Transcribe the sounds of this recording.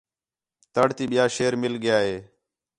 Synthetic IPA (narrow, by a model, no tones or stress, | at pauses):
t̪əɽt̪iːɓɪjaːʃeːɾmɪlɠɪjaːɦeː